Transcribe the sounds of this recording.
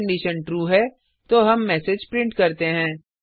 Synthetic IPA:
ɳɖiːʃənʈɾuːɦɛː | t̪oːɦɐmːɛːsed͡ʒpɾɪ̃ɳʈkɐɾt̪eɦɛ̃ː

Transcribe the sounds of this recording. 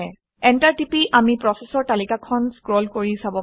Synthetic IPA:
ɛntaɹtipiʔamipɹɔsɛsɔɹtalikakʰɔnskɹolkoɹisabɔ

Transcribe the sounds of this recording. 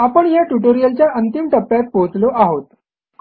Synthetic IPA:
apəɳjaʈuʈoɾijəlt͡ɕjaʔənt̪imʈəpljat̪̚pot͡sloʔaɦot̪̚

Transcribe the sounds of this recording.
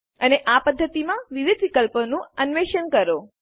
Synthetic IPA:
əneʔapəd̪ʱːət̪imãʋiʋid̪ʱʋikəlponũənʋeʃənkəɾo

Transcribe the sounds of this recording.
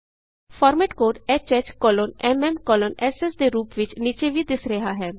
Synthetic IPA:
fʰɔːɾmɛʈkoːɖɛːt͡ʃət͡ʃkɔːloːnɛmɛmkɔːlonɛːsesd̪eɾuːpʋɪt͡ʃniːt͡ʃeʋʱid̪ɪsɾəɦaɦɛː

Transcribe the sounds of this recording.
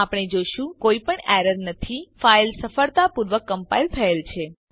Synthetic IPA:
apɽ̃ed͡ʒoʃũkoipəɳɛɾəɾnət̪ʰifailsəfəɭt̪apuɾʋəkːəmpailt̪ʰəelt͡ʃʰe

